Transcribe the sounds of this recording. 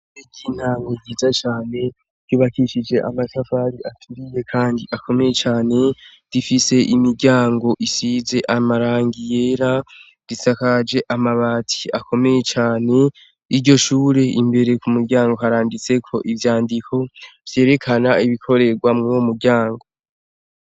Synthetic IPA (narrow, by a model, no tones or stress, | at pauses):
iɟin̥haŋɡoɟiːzat͡ʃaːne̞̥ | juːβakiʃid͡ʒe̞ʔa̰maʃafaɾiʔatʰuɾije̞kʰaːndiʔakʰo̞me̞je̞t͡ʃaːne̞ | d̥ifise̞ʔimiɾɟaːŋɡo̞ʔisize̞ʔamaɾaːŋɡije̞ːɾa | ɾisakad͡ʒe̞ʔamaβaːtʰi̥akʰo̞me̞je̞t͡ʃaːne̞ | iɾɟo̞ʃuːɾe̞imbe̞ɾe̞kumuɾɟaːŋɡo̞ɦaɾaːndit͡se̞kʰo̞ʔivjaːndikʰo̞v̥je̞ːɾe̞kʰanaiβikʰo̞ɾe̞ɡwamŋomuɾɟaːŋɡo̞